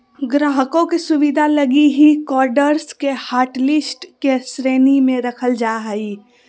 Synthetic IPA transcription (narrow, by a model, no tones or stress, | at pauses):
ɡɾaːɦəkõkesʊʋid̪ʱalɐɡiɦikɔːɾɖəɾskehaːɾʈlɪsʈkesɾeːnimẽɾɐkʰəld͡ʒaɦɛi